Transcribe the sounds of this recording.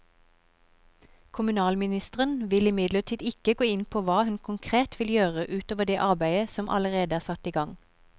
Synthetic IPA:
kʰʊmʉnɑːlmɪnɪst̪əʁənʋɪlɪmɪd̪ləʁʈʰiːd̪ɪkəɡoːɪnpʰoːʋɑːhʉnkʰʊŋkʰʁeːt̪ʋɪljøːʁəʔʉːt̪oːʋəd̪eːʔɑʁbæɪəsɔmʔɑ̰ləʁeːd̪əæːʁsɑt̪iːɡɑŋ

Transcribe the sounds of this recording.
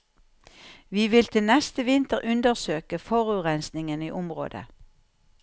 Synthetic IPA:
ʋiːʋɪlt̪ʰɪlnɛst̪əʋɪnt̪əʁʔʉnd̪əʁsøːkəfɔʁʉːʁɛnsnɪŋəniːʔʊmʁo̰ːd̪ə̰

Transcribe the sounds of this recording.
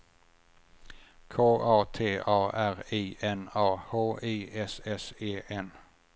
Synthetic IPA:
kʰoːʔɑːt̪ʰeːʔɑːʔæʁiːʔɛnɑːhoːʔiːʔɛsɛseːʔɛn

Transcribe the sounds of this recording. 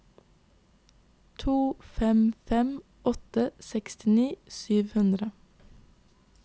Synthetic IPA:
t̪ʰuːfɛmfɛm | ʔɔt̪əsɛkst̪ɪniːsyːʋhʉnd̪ɾə

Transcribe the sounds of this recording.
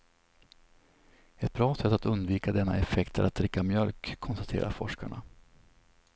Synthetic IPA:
ɛt̪̚bɾɑːsɛt̪ːat̪ɵnd̪viːkad̪ɛnːa̰ɛfɛkt̪ʰəɾat̪̚d̪ɾɪkːamjœlkʰːɔnst̪ḁt̪ʰḛːɾʔa̰ɾfɔʂkaɳa̰

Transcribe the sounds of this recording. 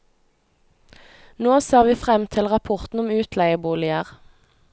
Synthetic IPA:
noːseːʁʋiːfʁɛmt̪ʰɪlʁɑpʰʊʁt̪n̩ʊmʉːt̪ʰlæɪəbuːlɪəʁ

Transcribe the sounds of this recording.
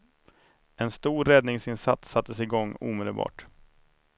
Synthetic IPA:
ɛnst̪uːɾɛd̪nɪŋsɪnsat̪sːat̪ːəsɪɡɔŋːṵːmeːd̪əlbɑ̰ːʈ

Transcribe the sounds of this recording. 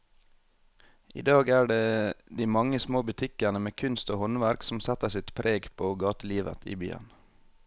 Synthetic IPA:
ʔḭːd̪ɑːɡæːɖeːd̪iːmɑŋəsmoːbʉt̪ʰɪkənəmeːkʰʉnst̪oːhɔnʋæɾksm̩sɛt̪əsɪt̪pʰɾʔeːɡpʰoːɡɑːt̪əliːʋə̰t̪ʰḭːby̰ːə̰n

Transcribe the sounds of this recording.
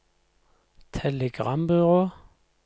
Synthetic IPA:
t̪ʰɛləɡ̥ʁɑmbʏʁoː

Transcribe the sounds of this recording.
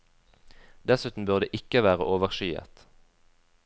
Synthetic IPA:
d̪̥ɛsʉːt̪n̩bʉʁd̪eːʔɪkəʋæːʁəʔoːʋəʁʃyːə̰t̪

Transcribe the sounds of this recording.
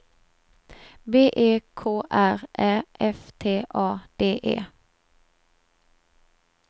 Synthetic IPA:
beːʔeːkʰoːʔæʁʔæːʔɛft̪ʰeːʔɑːd̪̥eːʔḛː

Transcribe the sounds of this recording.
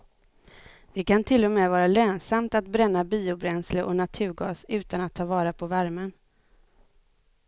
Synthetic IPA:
vɪkant̪ʰɪlːɔmɛːvɑːɾaløːnsamt̪at̪bɾɛnːabiːʊbɾɛnsləɾʔɔ̰nat̪ʰʉ̟ːɾɡɑ̰ːsʉ̟ːt̪anat̪ʰːɑːvɑːɾapʰɔvæɾmən

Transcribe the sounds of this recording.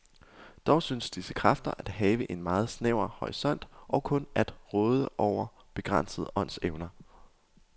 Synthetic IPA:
d̥ɒʊsynsd̥isə̥kʰʁɑfd̥ɐʔæd̥hɛːʋəʔe̝nmɑ̈ːð̞̩ˠsneʊ̰ɐhɒʁisɒ̽n̰d̥ʔɒ̽kʰɔ̽nʔæd̥ʁɔ̽ːð̞ˠəʔɒʊ̰ɐ | b̥e̝ɡ̥ʁɑn̰səð̩ˠɒ̽n̰seʊnɐ

